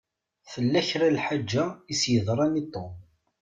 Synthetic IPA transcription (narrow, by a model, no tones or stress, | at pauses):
θəlːæçɾalħad͡ʒːaisjəðˤɾˤɑnit̪ˤːom